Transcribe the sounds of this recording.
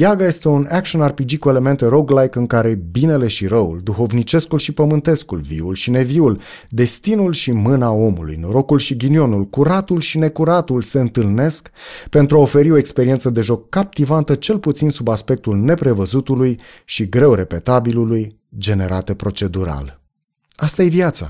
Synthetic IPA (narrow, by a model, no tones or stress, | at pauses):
jaɡaje̞st̪e̞unakʃionarpid͡ʒikue̞le̞me̞nt̪e̞ɾo̞ɡlajkɨŋkaɾe̞bine̞le̞ʃiɾəuld̪uxo̞vnit͡ʃe̞skulʃipəmɨnt̪e̞skulvḭulʃine̞viul | d̪e̞st̪inulʃimɨnao̞mulṵjnoɾo̞kulʃiɡinio̞nulkuɾat̪ulʃine̞kuɾat̪ulse̞ɨnt̪ɨlne̞skpe̞nt̪ɾuaofe̞ɾio̞ekspeɾiet̪səd̪e̞ʒo̞kːap̚t̪ivant̪ət͡ʃe̞lput̪sinsubaspe̞k̚t̪ulne̞pɾe̞vəzut̪uluj | ʃiɡɾe̞wɾe̞pe̞t̪abiluluj | d͡ʒe̞ne̞ɾat̪epɾo̞t͡ʃe̞d̪uɾa̰l | ast̪aje̞vjat̪sa̰